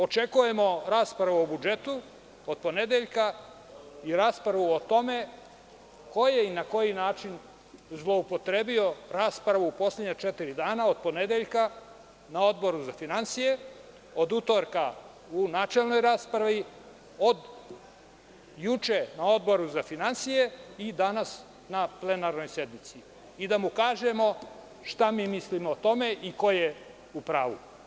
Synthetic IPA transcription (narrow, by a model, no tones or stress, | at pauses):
o̞t͡ʃe̞kuje̞mo̞ɾaːspɾaʋuobud͡ʒe̞t̪u | od̪̥̚po̞ne̞d̪eʎka | iɾaːspɾaʋuot̪o̞me̞ | ko̞jeinako̞jinaːt͡ʃin | zlˠo̞upo̞t̪ɾebio̞ɾaːspɾaʋuːpo̞slʲed̪ɲat͡ʃet̪iɾid̪aːnao̞d̪̚po̞ne̞d̪eʎka | nao̞d̪bo̞ɾuzafinansije̞ | od̪ut̪oɾka | unaːt͡ʃe̞lˠno̞jɾaːspɾaʋi | od̪ | jut͡ʃenao̞d̪̚bo̞ɾuzafinansijeid̪anas | naple̞naɾno̞jse̞d̪mit̪si | id̪amukaːʒemo̞ | ʃt̪amiːmislimoːt̪o̞me̞ʔiko̞je | upɾaːʋṵ